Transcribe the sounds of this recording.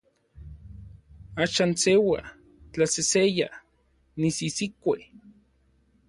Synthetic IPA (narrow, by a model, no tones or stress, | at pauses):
aʃaːnsewa̰ | t͡ɬaseseja | nisisikʷe